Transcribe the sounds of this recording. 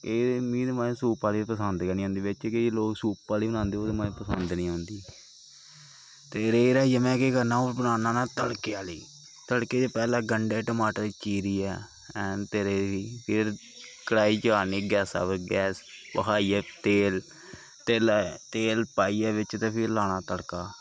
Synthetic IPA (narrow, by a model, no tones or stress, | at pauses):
kemĩːd̪emãːẽsuːpaːliːpəsənd̪kɛniːõːnd̪iːʋɪt͡ʃkeloːksuːpːaːliːbənãːnd̪eːoːd̪ːmaːẽpəsənd̪nĩːõːnd̪iː | t̪eːɾeːɾaːiːaːmɛ̃ːkekəɾnãːoːɾbənaːnãːnaːt̪əɽkeaːliː | t̪əɽkeːd͡ʒ̪eːpɛːlãːɡəɳɖeːʈəmaːʈəɾit͡ʃiːɾiːɛː | ɛːnt̪eːɾeːiːpʰɪɾ | kəɽaːiːt͡ʃəaːniːɡɛːsa̰ːbɾɡɛːspəkʰaːiːɛːt̪eːl | t̪eːlt̪eːlpaːiːaːʋɪt͡ʃt̪eːpʰɪɾlaːɽ̃aːt̪əɽkaː